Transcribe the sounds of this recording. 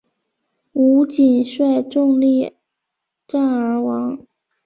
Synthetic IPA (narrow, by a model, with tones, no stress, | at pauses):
u˧˥t͡ɕi˨˩nʂwa˥˧ɪʈ͡ʂʊ˥˧ŋli˥˩ | ʈ͡ʂa˥˩nə˞˧˥wɑ˧˥ŋ